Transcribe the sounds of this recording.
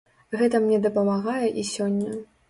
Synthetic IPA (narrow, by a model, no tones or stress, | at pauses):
ɣɛt̪ɐmnʲɛd̪ɐpɐmaɣajɛʔisʲɔnʲːɐ